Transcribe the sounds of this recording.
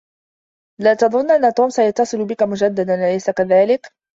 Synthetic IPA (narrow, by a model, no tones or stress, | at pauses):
laːt̪ɑðˤʊnːʔanːat̪uːmsajat̪ːɑsˤɨlʊbɪkamʊd͡ʒad̪ːad̪anlajsakaðaːlɪk